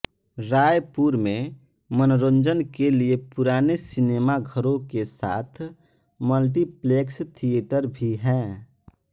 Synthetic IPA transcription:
ɾaːjpuːɾmẽ | mənɾõːnd͡ʒənkeliepʊɾaːnesɪneːmaɡʱəɾõkesa̰ːt̪ʰ | məlʈiplekst̪ʰieːʈəɾbʱiɦɛ̃ː

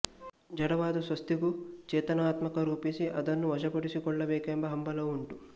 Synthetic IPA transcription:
d͡ʒɐɽɐʋaːd̪usʋɐst̪iɡut͡ʃɛːt̪ɐnaːt̪mɐkɐɾuːpisiʔɐd̪ɐnːuʋɐd͡ʒɐpɐɽisikɔɭːɐbeːkeːmbɐɦɐmbɐlɐuɳʈu

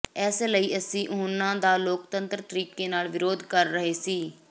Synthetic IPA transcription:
ɛːseːləiːəsĩːʔʊnːãːd̪aːloːk̚t̪ənt̪ɾt̪əɾiːkeːnaːlʋɪɾoːd̪kəɾːəɦeːsiː

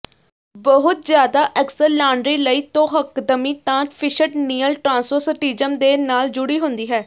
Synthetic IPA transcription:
bəɦʊt̪̚zjaːd̪aːʔɛksəlːaːɳɖɾiːləiːt̪õːɦəkd̪əmiːt̪ãːpʰɪʃəʈniːəlʈɾãːnsəɾsəʈiːd͡ʒəmd̪eːnaːld͡ʒʊɽiːɦʊ̃nd̪iːɦɛː

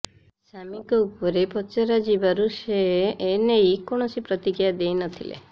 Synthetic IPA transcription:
samikɔupɔɾepɔt͡ʃeɾad͡ʒibaɾuseːnejkoɽ̃ɔsipɾɔt̪iɡijad̪ejnɔt̪ʰilḛ

